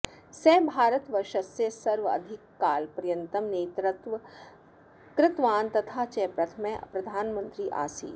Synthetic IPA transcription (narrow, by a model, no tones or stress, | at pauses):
sɛːbʱaːɾət̪ʋɐʃɐsjesɐɾʋɐ̰d̪ʱɪkːaːlpɾjɐnt̪ɐmneːt̪t̪ | kɾɪt̪ʋaːnt̪ɐt̪ʰaːt͡ʃɛːpɾɐt̪ʰəmɛ̃pɾɐd̪ʱaːnmə̃nt̪ɾiːʔa̰ːsḭː